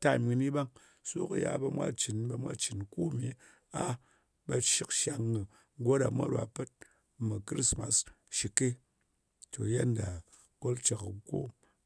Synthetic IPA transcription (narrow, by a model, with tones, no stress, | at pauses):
ta˦˨mi˧ni˦ba˦ŋ | so˦ku˨ja̰˦bɐ˧mʷa̰˦t͡ʃi˨nbe˧mʷa̰˦t͡ʃi˨nku˦˨mi˨ | a˦ | ba˧ʃi˦kʃa˨ŋːɨ˨ | ɡo˦da˨mʷa̰˦ɾa̰˨pɨ˦t̚ | mɨ˨kɾi˦sma̰˨s | ʃi˨ke˦ | to˨je˦nda˨ | ko˦lt͡ʃa˨kko̰˦